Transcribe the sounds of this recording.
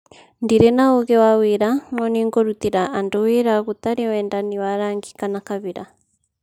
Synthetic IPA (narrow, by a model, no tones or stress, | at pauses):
ndiɾɛnaoɣɛwaweɾanɔniŋɡoɾut̪iɾaʔandɔweɾaɣut̪aɾiwɛndaniwaɾaŋɡi̥kanakaβiɾa